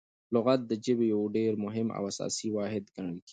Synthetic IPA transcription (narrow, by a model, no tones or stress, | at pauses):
lʊɣat̪̚d̪əd͡ʒɪbejawɖeːɾmʊɦɪma̰wasɑ̰ːsiwɑːɦɪd̪ɡaŋɡkʰi̥